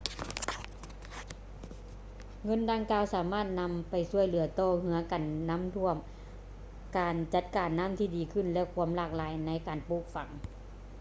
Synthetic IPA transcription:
ŋɤ˧˥˨ndaː˧ŋkaː˧wsaː˩˦maː˧˥˩t̪̚na˧˥mpa˨jsu˧˩əjlɯ˨˩˦ɐt̪ɔː˧˩ɦɯ˧˦ɐka˨˩nːa˧˥˨mt̪ʰu˧˥əm | kaː˨nt͡ɕa˧˥t̪̚kaː˨˩nːa˧˥˨mt̪ʰiː˧˩diː˨˩kʰɯ˧˥˨nlɛ˧˥˨kʰu˧˥əmlaː˧˩k̚laː˨˦jna˧˥jkaː˨˩npu˧˩k̚fa˨˩˦ŋ

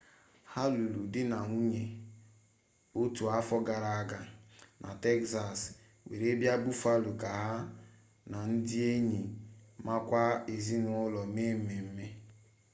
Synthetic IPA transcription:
ha˦lu˨lu˨dɪ˦na˨ŋu˦ɲe˨ | o˦tu˨a˦fɔ˦ɡa˨ɾa˨a˦ɡa˨nʔa̰˨te˦ksa˨s | wḛ˨ɾe˦bja˦bu˦fa˦lu˨ka˨ɦa˦ | na˨n̩˦dɪ˦e˦ɲi˨ma˦kʷa˦e˨zi˦nʊ˦ʊ˦lɔ˨me˦m̩˦me˨m̩˦me˦

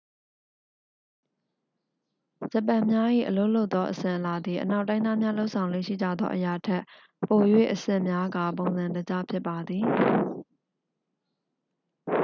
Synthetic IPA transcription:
d͡ʑə˨pã˨mja˦ʔḭ˦˨ʔəlo˦ʊʔlo˦ʊʔt̪ːɔ˦ʔəsɪ̃˨ʔəla˨d̪ði˨ʔəna˦ʊtːã˦ɪ̃a˦˨mja˦lo˦ʊʔsʰã˨ʊ̃lwɪ̰˦˨ʃḭ˦˨d͡ʑä̰˦˨d̪ðɔ̰˦ʔəja˨tʰɛ˦ʔ | po˨jwḛ˦˨ʔəsɪ̰̃˦˨mja˦ɡa˨põ˨ʊ̃nzã˨ndə˨d͡ʑa̰˦˨pʰjɪ˦pːa˨d̪ði˨

